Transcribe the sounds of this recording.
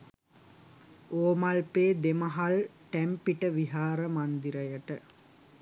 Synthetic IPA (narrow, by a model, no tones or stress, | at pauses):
oːmalpeːd̪emɐɦaɭʈæmpiʈəʋiɦaːɾəmand̪iɾəjəʈə